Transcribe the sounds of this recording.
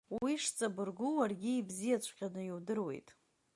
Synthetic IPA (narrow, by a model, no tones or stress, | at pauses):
wiʂt͡sʼabɨrɡuwarɡʲɪːbzijat͡ɕʷʰqʲʼanɨjiwdɨrwe̞̰jtʼ